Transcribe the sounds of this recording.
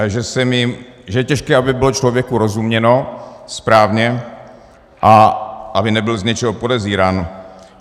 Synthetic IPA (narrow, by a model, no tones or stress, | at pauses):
ʒɛsɛmjɪ | ʒɛjɛcɛʃkɛːʔabɪbɪlot͡ʃlovjɛkuɾozumɲɛnospɾaːvɲɛ | ʔaʔabɪnɛbɪlzɲɛt͡ʃɛɦopodɛziːɾaːnu